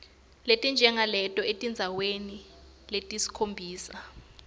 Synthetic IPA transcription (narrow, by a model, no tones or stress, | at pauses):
letʼind͡ʒʱɛŋalɛtʼɔetʼind͡zʱaweni | letʼisi̥kʰombʱiːsa